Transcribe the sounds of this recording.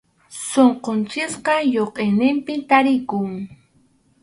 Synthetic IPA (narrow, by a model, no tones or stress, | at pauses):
soɴqont͡ʃɪsqɑjoqʼejnɪmpɪt̪aɾɪkʊŋ